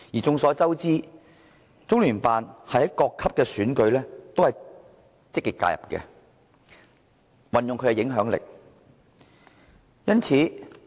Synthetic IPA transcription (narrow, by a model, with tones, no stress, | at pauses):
jiː˨t͡sʊ˨˧ŋsɔː˨˧˥t͡sɐ˥wt͡siː˥ | t͡sʊ˥ŋlyː˨˩npaː˨nhɐ˨jhɐ˨˥jkɔː˧kʰɐ˥p̚kɛː˧syː˨˥nkɵ˨˧ɥlɛː˥t̪o˥whɐ˨j | t͡sɪ˥kːiː˨t̚kːa̰ː˧jɐ̰˨p̚kɛ̰ː˧ | wɐ˨njʊ˨ŋkʰɵ˧˥ɛ˧jɪ˨˥ŋɦœː˨˥ŋlɪ̰˨k̚ | jɐ˥nt͡sʰiː˨˥